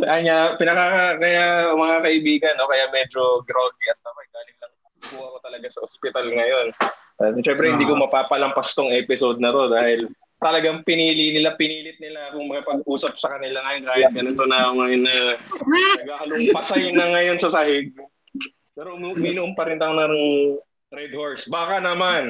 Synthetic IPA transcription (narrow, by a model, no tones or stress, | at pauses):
sʔaŋapɪnɐkaakɐjamɐŋakɐʔɪbiːɡɐnːo̞kɐjamɛd͡ʒo̞ɡɾolt̪iɐt̪̚ːɐbajd̪aːlɪŋlɐŋ | kuhɐkot̪ɐlɐɡasɐʔospɪt̪alŋɐjo̞n | ʃɛmpɾɛhɪnd̪iːkomɐpaːpɐlɐmpɐst̪oŋʔɛːpɪsod̪̚nɐt̪o̞d̪aːhɪl | t̪ɐlɐɡaŋpɪniːlinɪlapɪniːlɪt̪̚nɪlakʊŋmɐkɪpɐɡ̚ʔuːsɐp̚sɐkɐnɪlaŋɐjonkaːjɐt̪̚ɡɐnont̪onakoŋːɐjonːɐ | nɐɡakɐlʊmpɐsajnɐŋɐjo̞nsɐsɐhɪɡ̚ | pɛːɾoʔʊmʔʊminʊʔʊmpɐɾɪnt̪ɐonɐnʊŋ | ɾɛd̪hoɹsbaːkɐnɐman